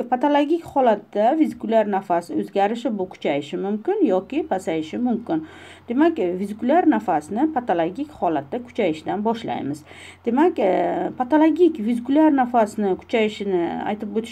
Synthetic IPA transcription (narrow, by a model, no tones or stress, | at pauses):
pʰat̪ʰalˠoɡʲikʲhɒlat̪ːavizɪkʊlʲaɾnafasɪɵzɡʲaɾɪʃɪbʊkʲʰʊ̥t͡ʃʰajɪʃɪmʊmkʲɪnjɒkʲɪpʰasajɪʃɪmʊmkʲɪn | d̪̥e̞makʲvizɪkʊlʲaɾnafasnɪpʰat̪ʰalˠoɡʲikʲhɒlat̪ːakʰʊ̥t͡ʃʰajɪʃd̪anbɒʃla̰jmɪz | d̪̥e̞makʲpʰat̪ʰalˠoɡʲikʲvizɪkulʲaɾnafasnɪkʰʊ̥t͡ʃʰajɪʃɪnɪa̰jt̪ʰɪp̚bot̪ʰɪ